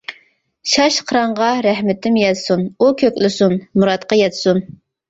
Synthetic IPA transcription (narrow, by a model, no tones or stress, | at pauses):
ʃɑʃqʰəɾɑɴʁɑɾæhmɪt̪ʰɪmjɛt̪sunukʲʰøkʲlɪsunmuɾɑt̪qɑjɛt̪sun